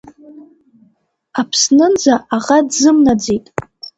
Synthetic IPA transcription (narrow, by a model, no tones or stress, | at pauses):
apʰsnɨnd͡zaaʁadzɨmnad͡zejtʼ